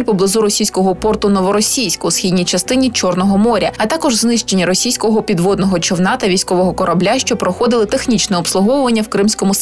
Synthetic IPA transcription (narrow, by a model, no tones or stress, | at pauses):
lʲpɔblˠɪzuɾɔsʲijsʲkɔɦɔpɔrt̪ʊnɔʋɔɾɔsʲijsʲkɐusxʲid̪ʲnʲijt͡ʃɐst̪ɪnʲit͡ʃɔrnɔɦɔmɔɾʲɐɐt̪ɑkɔʒznɪʃt͡ʃenʲːɐɾɔsʲijsʲkɔɦɔpʲid̪ʋɔd̪nɔɦɔt͡ʃɔwnɑt̪ɐʋʲijsʲkɔʋɔɦɔkɔɾʔɐblʲaʃt͡ʃɔpɾɔxɔd̪ɪlˠɪt̪exnʲit͡ʃnɛɔpslˠʊɦɔwʊʋɐnʲːɐwkɾɪmsʲkɔmʊ